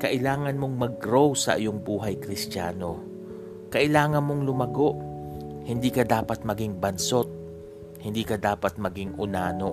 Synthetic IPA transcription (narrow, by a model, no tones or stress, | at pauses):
kɐʔɪlaːŋɐnmo̞ŋmɐɡ̚ɾowsɐ̰ʔɪ̰joŋbuːɦɐjkɾɪst̪a̰ːno̞ | kɐʔɪlaːŋɐnmo̞ŋlʊmɐɡo̞ʔhɪnd̪iːkɐd̪aːpɐt̪̚mɐɡiŋbɐnso̞t̪̚ | hɪnd̪iːkɐd̪aːpɐt̪̚mɐɡiŋʔʊnaːno̞